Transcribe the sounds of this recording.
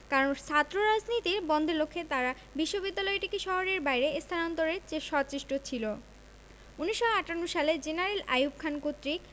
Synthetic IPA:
kaɾont͡ɕʰat̪ːɾoɾad͡ʑnit̪iɾbɔnd̪ʱelokʰːet̪aɾa | biʃːobid̪ːalɔeʈikiʃɔɦoɾeɾbajɾeest̪ʰanɔnt̪oɾet͡ɕeʃɔt͡ɕiʃʈot͡ɕʰilo | uniʃːoaʈanːoʃaled͡ʑenaɾela̰jub̚kʰankot̪ːɾik

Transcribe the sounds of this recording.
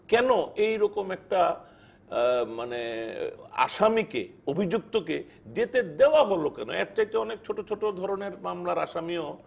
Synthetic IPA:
kɛnoejɾɔkomɛk̚ʈa | mane | a̰ʃamikḛobʱid͡ʑuk̚t̪oke | d͡ʑet̪ed̪eoaɦolokɛ̰no̰ɛk̚ʈajt̪eɔnekt͡ɕʰoʈot͡ɕʰoʈod̪ʱɔɾoneɾmamlaɾaʃamio

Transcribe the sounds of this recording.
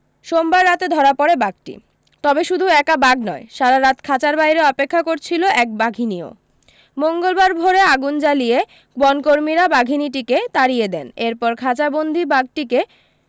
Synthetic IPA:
ʃombaɾːat̪ed̪ʱɔɾapɔɾebaɡ̚ʈḭ | t̪ɔbeʃud̪ʱuɛkabaɡnɔeʃaɾaɾat̪kʰat͡ɕaɾbajɾeɔpekʰːakoɾt͡ɕʰiloʔɛk̚baɡʱinio̰ | moŋɡolbaɾbʱoɾeaɡund͡ʑalije | bɔnkoɾmiɾabaɡʱiniʈ̬iket̪aɾijed̪ɛneɾpɔɾkʰat͡ɕabond̪ʱibaɡ̚ʈike

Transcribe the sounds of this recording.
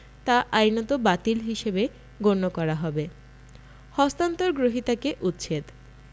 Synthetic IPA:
t̪aʔajnot̪obat̪ilɦiʃebe | ɡonːokɔɾaɦɔbe | hɔst̪ant̪oɾɡɾoɦit̪akeʔut̪ːɕʰet̪

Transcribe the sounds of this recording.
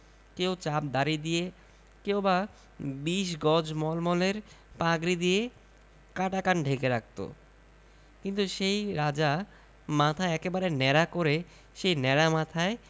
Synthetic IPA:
kewt͡ɕap̚d̪aɾid̪ije | kewba | biʃɡɔd͡ʑmɔlmɔleɾ | paɡɾid̪ije | kaʈakanɖʱekeɾak̚t̪o̰ | kint̪uʃejɾad͡ʑa | mat̪ʰaeɛkebaɾenɛɾakoɾe | ʃejnɛɾamat̪ʰae

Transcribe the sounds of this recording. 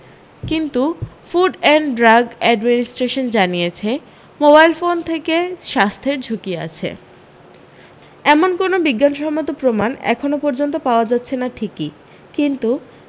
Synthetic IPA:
kint̪u | fuɖɛɳɖɖɾaɡɛɖminisʈɾeʃond͡ʑanijet͡ɕʰe | mobajlfont̪ʰekeʃast̪ʰeɾd͡ʑʱukia̰t͡ɕʰḛ | ɛmonkonobiɡːanʃɔmot̪opɾomanɛ̰kʰonopɔɾd͡ʑont̪̬opaoad͡ʑatːɕʰenaʈʰiki | kint̪u

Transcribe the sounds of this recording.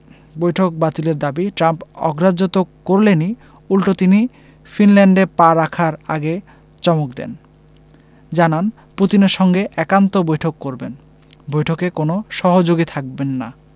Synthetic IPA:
bojʈʰok̚bat̪ileɾd̪abiʈɾampɔ̰ɡɾad͡ʑot̪okːoɾleni | ulʈot̪ini | finlɛɳɖeɾpaɾakʰaɾa̰ɡe | t͡ɕɔmok̚d̪ɛ̰n | d͡ʑanan | put̪ineɾʃɔŋɡeʔɛkant̪obojʈʰokːoɾben | bojʈʰokekonoʃɔɦod͡ʑoɡit̪ʰak̚benːa̰

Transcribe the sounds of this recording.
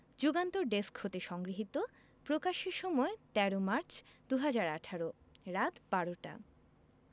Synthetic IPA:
d͡ʑuɡant̪oɾɖeskhot̪eʃɔŋɡɾiɦit̪o | pɾokaʃeɾʃɔmɔet̪ɛɾomaɾt͡ɕʰd̪uɦad͡ʑaɾaʈʰaɾo | ɾat̪baɾoʈa̰

